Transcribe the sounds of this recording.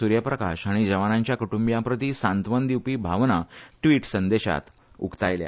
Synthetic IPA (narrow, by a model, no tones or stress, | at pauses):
uɾjəpɾəka̰ɕaɽ̃id͡ʑəʋanãɲt͡ɕjakuʈumbjãpɾət̪iːsãnt̪ʋənd̪iwpiːbʱaʋnaʈʋiʈsənd̪eɕa̰t̪ | ṵkt̪ajlja̰